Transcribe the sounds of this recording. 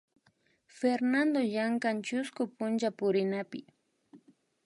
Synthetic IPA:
feɾnand̪ojaŋkant͡ʃʊskʊpʊnt͡ʃapʊɾɪnapɪ

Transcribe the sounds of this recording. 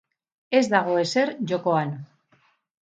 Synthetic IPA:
e̞zd̪aɣ̞o̞e̞se̞ɾʝo̞ko̞an

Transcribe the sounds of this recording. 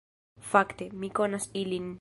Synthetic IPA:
fakt̪emikonasilin

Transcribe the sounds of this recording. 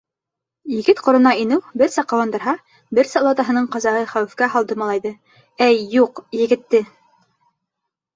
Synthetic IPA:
jɘ̆ɡɘt̪qŏɾɤ̆nɑinɘwbɘɾsæqɑwɑnd̪ɤ̆ɾɦɑ | bɘɾsɑlˠɑt̪ɑɦɤ̆nɤɴqɑzɑʁɤχæwɘ̆fkæɦɑlˠd̪ɤmɑlˠɑjðɤ | æjːuqjɘ̆ɡɘ̆t̪ːɘ

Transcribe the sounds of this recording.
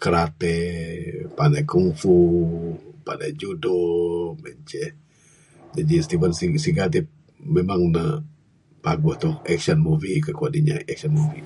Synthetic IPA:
kəɾat̪ɛ | panajkuŋfu | pa̰najd͡ʒudomɛɲt͡ʃɛh | d͡ʒadist̪ibənsisiɡat̪̬ip̚ | memaŋnə | paɡʊht̪ɔhɛksɔnmuvikəkuadiɲa̰ɛk̚sɔnmuvi

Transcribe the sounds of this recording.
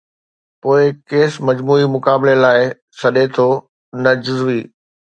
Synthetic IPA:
poːɪkeːsmɐd͡ʑmuːimʊkaːbɪlelaːɪ | sɐɗet̪ʰoː | nɐd͡ʑʊzʋiː

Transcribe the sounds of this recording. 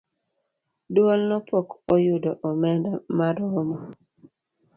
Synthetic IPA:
dwolnɔpɔkɔjʊdɔʔɔmɛndamaɾɔmɔ

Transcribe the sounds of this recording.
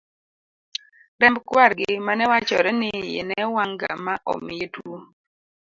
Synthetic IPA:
dɛmbkwaɾɡɪmanɛwat͡ʃɔɾɛnɪjḛnɛwaŋɡa̰maʔɔ̰mɪetwo

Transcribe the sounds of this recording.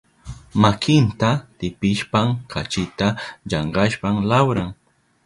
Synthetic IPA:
makɪnt̪at̪ɪpɪʃpaŋkʰat͡ʃɪt̪aʎɑɴɢɑʃpaŋlawɾaŋ

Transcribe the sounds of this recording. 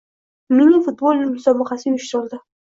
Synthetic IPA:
mɪnɪfʊt̪̚bolʲˠmʊsɒbɑqɑsɪjʊʃt̪ɾɪlˠd̪ɪ

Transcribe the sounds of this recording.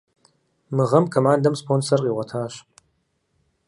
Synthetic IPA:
mɨʁɐmkʰomaːndɐmspʰoːnsɐrqʼiːʁʷɐtʰaːɕ

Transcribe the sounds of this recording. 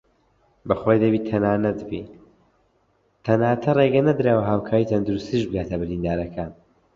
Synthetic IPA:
bɐxojd̪ɐbiːt̪ʰɐnaːnɐt̪bḭ | t̪ʰɐnaːt̪ʰɐreɡɐnɐd̪ɾaːwɐɦaːwkʰaːɾiːt̪ʰɐnd̪uɾust̪iʒbɨɡaːt̪ʰɐbɨɾind̪aːɾɐkʰaːn

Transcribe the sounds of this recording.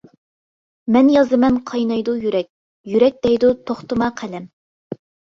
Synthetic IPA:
mɛnjɑzɨmɛnqʰɑjnɑjd̪ujyɾɛk̚ʲ | jyɾɛk̚ʲd̪̥ɛjd̪ut̪ʰoχt̪ɨmɑqʰælɛm

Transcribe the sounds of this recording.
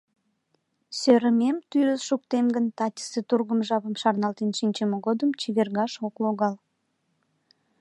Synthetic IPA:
søɾəmemt̪yɾəzʃuk̚t̪emɡənt̪ɑtʲə̥set̪urɣəmʒɑβəmʃɑrnɑlt̪enʃinʲt͡ɕəməɣod̪əmt͡ɕiβerɣɑʃokloɣɑl

